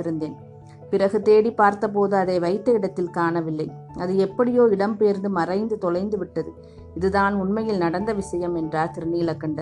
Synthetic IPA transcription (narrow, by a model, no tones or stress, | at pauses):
ɪɾɯnd̪eːn | pɪrɐɣɯt̪eːɽipːaːɾt̪ɐpoːðɯɐðɐɪʋɐɪt̪ːɐɪɽɐt̪ːɪlkaːnɐʋɪlːɐɪ | ɐðɯɛpːɐɽɪjoːɪɽɐmpejɾnd̪ɯmɐrɐɪnd̪ɯt̪ɔlɐɪnd̪ɯʋɪʈːɐðɯ | ɪðɯðaːnʊɳmɐjɪlnɐɽɐnd̪ɐʋɪsɐjɐmɛndraːɾt̪ɪɾɯnijɪlɐkːɐɳɖɐ